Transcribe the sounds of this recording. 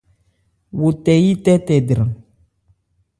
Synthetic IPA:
wo˨t̪ɛ˨ji˦t̪ɛ˦t̪ɛ˨dɾã˨

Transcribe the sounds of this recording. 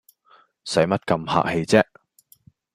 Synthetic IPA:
sɐ˨˥jmɐ˥t̚kɐ˧mha̰ː˧˨k̚he˧jt͡sɛː˥

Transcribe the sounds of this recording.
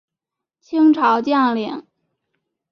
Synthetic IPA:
t͡ɕʰi˥ŋʈ͡ʂʰɑ˧˥ʊt͡ɕjɑ˥˩ŋli˧˩˥ŋ

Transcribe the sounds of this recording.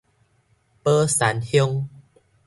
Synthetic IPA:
pəː˦sa˨˦nhjo˧ŋ

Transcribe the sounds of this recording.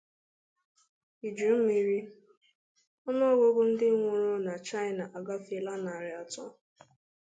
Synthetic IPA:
i˨d͡ʒu˨˦m̩˦mi˨ɾi˦ | ɔ˦nɔ˦ɡʷo˦ɡʷʊ˦n̩˦dɪ˦ŋʷʊ˦ɾʊ˦na˨t͡ʃa˦ɪ˦na˨ʔa˨ɡa˦fi˨la˦na˨ɾɪ˨a˨tɔ˦

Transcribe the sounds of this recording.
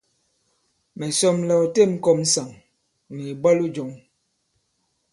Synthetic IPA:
mɛ˨sɔ˦mla˨te˦˨m̩˦kɔ˦˨m̩˦sa˨ŋ | ni˨ba˦lu˦d͡ʒɔ˨ŋ

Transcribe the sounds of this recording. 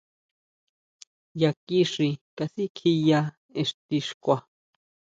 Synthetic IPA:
ja˨ki˦ʂi˧kasi˦kʰi˧ja˧ | e˨ʂt̪i˧ʂkʷa˨

